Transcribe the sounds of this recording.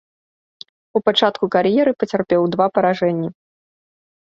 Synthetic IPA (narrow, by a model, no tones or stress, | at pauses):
upat͡ʂat̪kukaɾjɛɾɨpɐt͡sʲarpʲɛwd̪vapɐɾaʐɛnʲːɐ